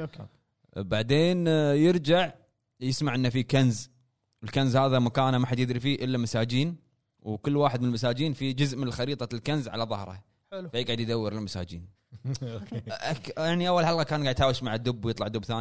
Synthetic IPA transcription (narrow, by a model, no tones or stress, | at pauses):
baʕd̪eːnjɪɾd͡ʒaʕ | jɪsmaʕʔɪnːafikanz | wɪlkanzhaːðamakaːnamaħad̪jɪd̪ɾifiːʔɪlːamasaːd͡ʒiːn | wkɪlːwaːħɪd̪̚mɪnəlmas̬aːd͡ʒiːnfid͡ʒʊzʔmɪnɪlxɑɾiːt̪ˤɑlkanzʕa̰laðˤɑhɾˤɑ̰ | fajɪɡʕad̪jɪd̪awːɪɾɪlmasa̰ːd͡ʒḭːn | ʔakjaʕniʔawːalħalɣakaːnɡaʕd̪ħaːwɪʃmaʕad̪ːʊbːwjɨt̪ˤlɑʕd̪ʊbːθaːn